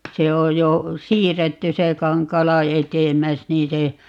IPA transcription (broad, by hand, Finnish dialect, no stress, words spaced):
se oj jo siːrːetːy se kɑŋkˑɑːlɑ etemˑæs niː se